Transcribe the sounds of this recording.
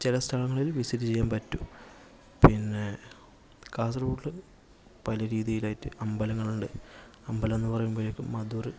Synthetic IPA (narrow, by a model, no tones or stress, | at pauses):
t͡ɕilɐst̪ʰɐɭɐŋːɐɭilʋisitːit͡ɕejːaːnpɐtːu | pinːe̞ | kaːs̬ɐrbuːʈlɨ | pɐlɐɾiːðijilaːjitːɨɐmbɐlɐŋːɐɭuɳɖɨ | ɐmbɐlɐmenːɨpɐrɐjumboːjokːɨmɐd̪uːrɨ